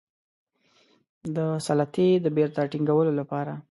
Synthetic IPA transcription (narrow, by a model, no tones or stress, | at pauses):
d̪əsalat̪ed̪əbeɾt̪aʈiŋɡawəlolapɑɾa